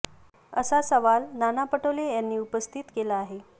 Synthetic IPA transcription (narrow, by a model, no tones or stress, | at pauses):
əsasəʋalnanapəʈəlejanːiːupəst̪ʰit̪kelaːɦe